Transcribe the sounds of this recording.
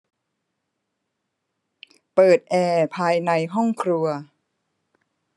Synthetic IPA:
pɤː˨˩t̪̚ʔɛː˧pʰaː˧jna˧jɦɔ˥˩ŋkʰɾu˧ɐ

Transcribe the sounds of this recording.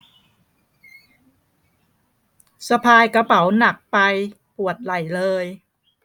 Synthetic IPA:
sa˧pʰaː˧jka˧pa˩˦wna˨˩k̚pa˧j | pu˨˩ət̪̚la˨˩jlɤː˧j

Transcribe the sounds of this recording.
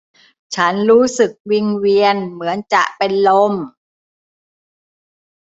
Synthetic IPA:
t͡ɕʰa˦˥nɾuː˦˥sɯ˨˩k̚wi˧ŋwi˧ənmɯ˩˦ənt͡ɕa̰˨˩ʔpe˧nlo˧m

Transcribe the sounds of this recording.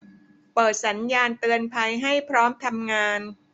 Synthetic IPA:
pɤː˨˩t̪̚sa˩˦njaː˧nt̪ɯ˧ənpʰa˧jɦa˥˩jpʰɾɔː˦˥mt̪ʰa˧mŋaː˧n

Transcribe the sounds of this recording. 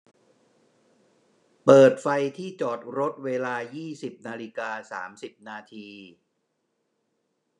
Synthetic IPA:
pɤː˨˩t̪̚fa˧jt̪ʰiː˥˩t͡ɕɔː˨˩t̪̚ɾo˦˥t̪̚weː˧laː˧jiː˥˩si˨˩p̚naː˧li˦˥kaː˧sa̰ː˩˦msi˨˩p̚naː˧t̪ʰiː˧

